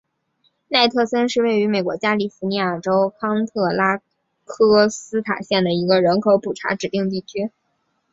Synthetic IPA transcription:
na˥˧ɪt̪ʰɤ˥˩sə˥nʂɻ̩˥˧we˥˩ɪy˧˥me˨˩ɪkwɔ̰˧˥t͡ɕja˥li˨˩fu˧˥ni˧˥ja˥˩ʈ͡ʂo˥ʊkʰɑ˥ŋt̪ʰɤ˥˩la˥ | kʰɤ˥sɹ̩˥t̪ʰa̰˨˩ɕjɛ˥˩nd̪ə˩i˧˥ɡə˧ɻə˧˥nkʰo˧˥ʊpu˨˩ʈ͡ʂʰa̰˧˥ʈ͡ʂɻ̩˨˩t̪i˥˧ŋt̪i˥˩t͡ɕʰy˥

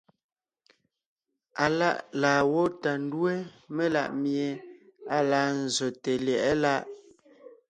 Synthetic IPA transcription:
a˨la˦˨ʔlaː˨wo˦ta˨n˦dwe˦ | me˦la̰˦˨ʔmje˨a˦laː˦n̩˨zɔ˨te˨ljɛ˨ʔɛ˦la˦ʔ

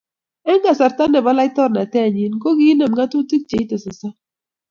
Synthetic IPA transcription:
ɛ˦ŋɡa˨sa˨ɾta˦nɛ˨ba˦la˦ɪ˦tɔ˦ɾna˨tɛ˦˨ɲi˦nko˦ɡi˦nɛ˨m˨ɡa˦tu˦ti˦k̚t͡ʃe˨i˦tɛ˨sɪ˨sa˦

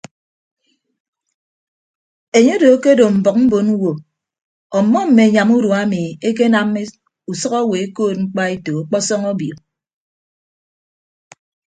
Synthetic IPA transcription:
e˨ɲe˦do˨˦ke˦do˨m̩˨bɔ˨k̚m̩˦bo˨nu˦wo˨ | ɔ˨mːɔ˦m̩˨me˨ɲa˨mu˦ɾu˨a˦mi˨e˦k̬e˦na˨m˦e˦ | u˨sʌ˦kɔ˦we˨e˦koː˦˨t̚ŋ͡m̩˦k͡pa˦e˦to˨o˨k͡pɔ˦sɔ˦ŋɔ˦bjo˨

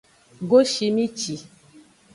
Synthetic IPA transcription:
ɡo˦ʃi˨mĩ˦t͡ʃi˨

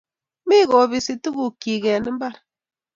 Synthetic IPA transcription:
mi˦ɣɔ˨bi˨si˨tu˦ɣu˨ki˨ɣɛ˨nɨ˦m˦ba˦˨ɾ

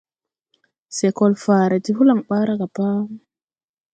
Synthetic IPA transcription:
se˨kɔ˨lfaː˨ɾa˨ti˦hu˦la˨ŋɓaː˦ɾa˦ka˨pa˦

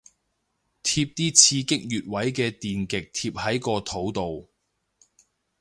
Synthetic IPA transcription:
t̪ʰiː˧p̚t̪iː˥t͡sʰiː˧kɪ˥k̚jyː˨t̚wɐ˨˥jkɛː˧t̪iː˨nkɪ˨k̚t̪ʰiː˧p̚hɐ˨˥jkɔː˧t̪ʰo˨˥wt̪o˨w

